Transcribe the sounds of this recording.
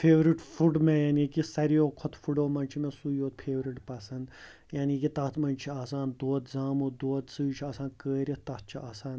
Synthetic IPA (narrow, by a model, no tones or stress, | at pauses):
fʰeːʋɾiʈfuɖmẽjaːnikisɐɾijoːkʰɔt̪fuɖoːmɐnt͡ʃʰimẽsujoːt̪̚pʰeːʋɾiʈpɐsɐnd̪ | jaːnikit̪ɐt̪mɐnt͡ʃʰiaːsaːnd̪oːt̪zaːmod̪oːt̪sɨːt͡ʃʰiaːsãːnkəːɾʲit̪ɐt̪̚t͡ʃʰiʔaːsãːn